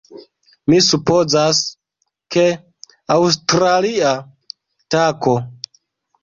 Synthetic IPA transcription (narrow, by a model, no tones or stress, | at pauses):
misupo̞zas | ke̞ | aws̬tɾalia | tako̞